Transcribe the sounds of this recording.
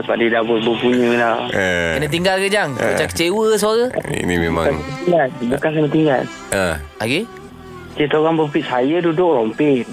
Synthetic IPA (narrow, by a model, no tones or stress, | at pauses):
əpadidabʊt̚bəpuɲəlawəkənət̪̬iŋɡalkəd͡ʒaŋ̰ət͡ʃakə̥t͡ʃewəs̬aɣəḭnimema̰ŋt̪iŋɡalbukankənət̪iŋɡa̰l | əaɡi | t͡ʃit̪oɣaŋbəpiʔ̚sajədudʊʔlɔmpɪn